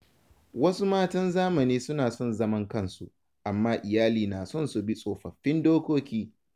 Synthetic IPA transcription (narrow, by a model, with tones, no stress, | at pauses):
wɐ˦su˦maː˦tɐ˦nzaː˦mɐ˨niː˦sʊ˦naː˨sɔ˦˨nzɐ˦mɐ˦ŋkɐ˦˨nsu˦ | ʔa˨mːaː˦ʔɪ˨jaː˦liː˨naː˨sɔ˦nsu˨bi˦sʼoː˨ɸɐ˨ɸːɪ˦ndoː˦kʷoː˦kʲiː˦